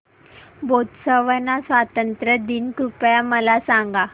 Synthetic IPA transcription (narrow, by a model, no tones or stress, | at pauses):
bʱot̪səʋənasʋat̪ənt̪ɾəd̪inkupjaməlasaŋɡa